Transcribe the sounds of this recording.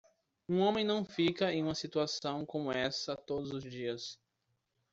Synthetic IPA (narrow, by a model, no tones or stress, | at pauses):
ũõmẽj̃nɐ̃w̃fikɐẽj̃ũmɐsit̪uasɐ̃w̃kõmʊɛsɐt̪od̪ʊzʊzd͡ʒiɐs